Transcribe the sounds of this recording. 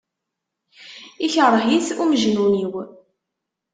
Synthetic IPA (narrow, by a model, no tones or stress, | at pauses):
içərˤːəɦiθuməʒnuniw